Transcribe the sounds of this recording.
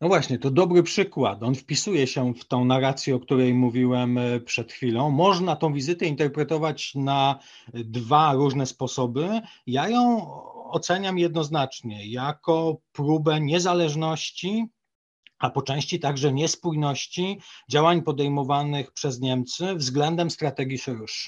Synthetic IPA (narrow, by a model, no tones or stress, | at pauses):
nɔvwaɕɲɛt̪ɔd̪ɔbɾɘpʂɘkwa̰t̪ɔnfpʲisujɛɕɛft̪ɔ̃w̃naɾat̪sʲjɛɔkt̪uɾɛjmuvʲiwɛmpʂɛt̪xfʲilɔ̃w̃mɔʐnat̪ɔ̃w̃vʲizɘt̪ɛint̪ɛɾpɾɛt̪ɔvat͡ɕna | d̪vaɾuʐnɛspɔsɔbɘ | jajɔ̃w̃ɔt̪sɛɲamjɛd̪̚nɔznat͡ʂɲɛjakɔpɾubɛɲɛzalɛʐnɔɕt͡ɕi | apɔt͡ʂɛ̃w̃ɕt͡ɕit̪aɡʐɛɲɛspujnɔɕt͡ɕid͡ʑawaɲpɔd̪ɛjmɔvanɘxpʂɛzɲɛmt̪sɘvzɡlɛnd̪ɛmst̪ɾat̪ɛɡʲiʂɛɾuʂ